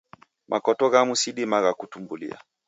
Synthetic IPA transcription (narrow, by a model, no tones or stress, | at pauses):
mʔakɔtɔɣamusiɗimaɣakutumbulḭa̰